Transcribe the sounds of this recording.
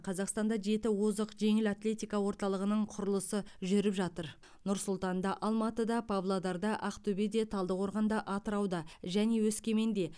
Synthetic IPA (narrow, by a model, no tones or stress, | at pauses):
qʰɑzɑqst̪ɑnd̪ɑʒe̞t̪ɪwozəqʒe̞ŋɪlat̪lʲe̞t̪ijkɑwo̞ɾt̪ɑlˠəʁənəɴqʰʊɾəlˠəsəʒʏɾɪpʒɑt̪əɾ | nʊɾsʊlˠt̪ɑnd̪ɑʔɑlˠmɑt̪əd̪ɑpʰavlˠad̪ɑɾd̪ɑʔɑqt̪ɵbed̪e̞t̪ʰɑlˠd̪əqwo̞ɾʁɑnd̪ɑʔɑt̪əɾɑwd̪ɑʒæne̞wɵskʲe̞me̞nd̪e̞